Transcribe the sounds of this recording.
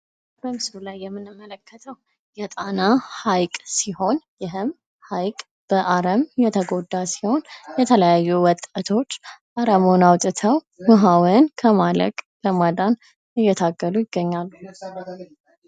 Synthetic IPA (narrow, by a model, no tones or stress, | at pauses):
bəmɨsulajːɛmːɨnɨmːələkʰːət̪ʰəw | jɛt̪ʼanahajkʼsiho̞njɪɦɨm | hajkʼ | b̥əʔaɾəmjɛt̪ʰəɡo̞d̪ːasiho̞njɛt̪ʰələjajːuwɔt̪ʼːat̪ʰo̞t͡ʃːʔaɾəmonawt̪ʼɨt̪ʰəw | məɦawɛnkʰəmalə̰kʼbəmad̪an | ɨjːɛt̪ʰaɡːəlujɪɡːəɲːalːu